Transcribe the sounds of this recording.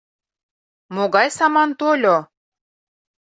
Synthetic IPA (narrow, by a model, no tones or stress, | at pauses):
moɣɑjsɑmɑnt̪olʲo